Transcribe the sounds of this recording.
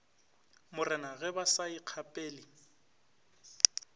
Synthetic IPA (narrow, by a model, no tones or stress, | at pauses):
mʊrɛnaɣɛbasaiq͡χʰapʼeːli